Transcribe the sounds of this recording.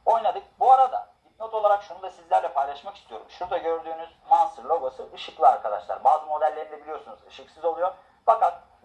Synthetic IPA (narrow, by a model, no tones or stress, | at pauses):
o̞jnad̪ɯk̚buaɾad̪a̰ | imiot̪ʰolˠaɾakʃunund̪asizlʲæɾlʲɛpʰajlˠaʃmakʰi̥st̪ʰijo̞ɾumʃuɾd̪aɟø̞ɾd̪yːnyzmansɯɾlʲo̞ɡasɯɯʃɯklˠiaɾkʰad̪a̰ʃlˠa̰ɾbaːzɯmo̞d̪ælʲːeɾind̪ebilʲijo̞ɾsunuzɯʃɯksɯzolˠujo̞ɾ | fakat̪̚